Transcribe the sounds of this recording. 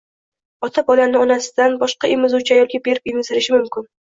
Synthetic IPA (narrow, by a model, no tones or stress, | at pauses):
ɒt̪ʰabɒlanɪɒnasɪ̥d̪anbɒʃqɑemɪzut͡ʃʰajɒkʲibeɾɪpimɪzɪɾɪʃɪmʊmkʲɪn